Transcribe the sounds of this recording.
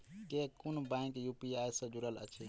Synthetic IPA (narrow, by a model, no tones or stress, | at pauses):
kekunbãkjupiajsə̃d͡ʒuɾələ̰t͡ʃʰi